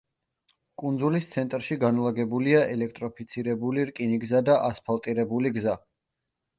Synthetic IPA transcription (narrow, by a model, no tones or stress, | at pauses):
kʼund̪zulist̪sʰɛnt̪ʼɾʃiɡanlˠaɡɛbuliaʔɛlɛk̚ʰt̪ʼɾɔpʰit̪sʰiɾɛbuliɾkʼiniɡzad̪aʔaspʰalˠt̪ʼiɾɛbuliɡza